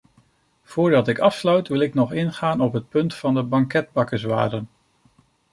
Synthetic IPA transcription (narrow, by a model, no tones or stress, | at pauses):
v̥ʊːɹdɑtɪkɑfslœɥtʋɪlˠɪknɔχɪnχaːnɔpɦət̚pɵntfɑndəbɑŋkɛd̚bɑkəsʋa̰ːdən